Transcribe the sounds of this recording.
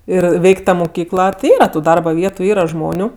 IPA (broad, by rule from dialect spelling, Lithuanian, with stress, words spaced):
ˈɪr ˈʋʲɛɪkʲ ˈtɐ mʊˈkʲiːklˠɐ tʲɪ ˈiːrɐ tʊ ˈdɐrbɐ ˈʋʲiɛtʊ ˈiːrɐ ˈʒmoːnʲʊ